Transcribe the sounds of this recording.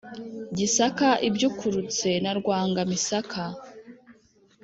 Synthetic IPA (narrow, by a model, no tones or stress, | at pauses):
ɟisakaʔibjukʰuɾut͡se̞naɾɡwaːŋɡamisakʰa